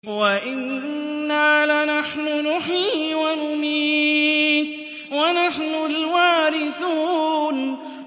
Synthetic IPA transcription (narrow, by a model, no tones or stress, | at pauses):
waʔɪnːaːlanaħnʊnʊħiːwanʊmiː | t̪ | wanaħnʊlwaːɾɪθuːn